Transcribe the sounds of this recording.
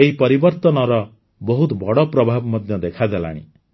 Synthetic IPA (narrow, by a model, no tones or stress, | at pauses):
eɦipɔɾibɔɾt̪ɔnɔɾɔ | bɔɦut̪bɔɽɔpɾɔbʱabmɔd̪ʱjɔd̪ekʰad̪ala̰ɽ̃ḭ